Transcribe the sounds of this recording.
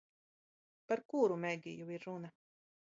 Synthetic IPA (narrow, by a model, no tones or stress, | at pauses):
paɾkuɾumɛɡʲijuiɾːuna